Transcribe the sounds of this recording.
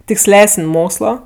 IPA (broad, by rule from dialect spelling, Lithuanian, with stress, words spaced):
tʲɪksʲˈlʲæːsənʲ ˈmoːkslˠoː